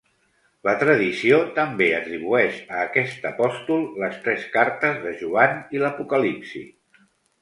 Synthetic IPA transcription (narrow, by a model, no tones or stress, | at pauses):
lət̪ɾəðisiot̪əmbeət̪ɾiβ̞uɛʃəːkɛst̪əpɔst̪ulˠləst̪ɾɛskaɾt̪əzðəʒuaniləpukəlipsḭ